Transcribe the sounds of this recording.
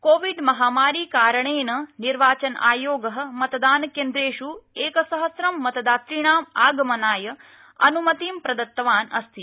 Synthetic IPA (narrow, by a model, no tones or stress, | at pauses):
koːʋiɖmɐɦaːmaːɾiːkaːɾɐɳeːnɐniɾʋaːt͡ʃɐnʔa̰ːjoːɡɐɦɐ̆mɐt̪ɐd̪aːnɐkeːnd̪ɾeːʃueːkɐsɐɦɐsɾɐmːɐt̪ɐd̪aːt̪ɾiɳaːmaːɡɐmɐnaːjɐ | ɐ̰numɐt̪iːmpɾɐd̪ɐt̪ːɐʋaːnɐst̪ʰi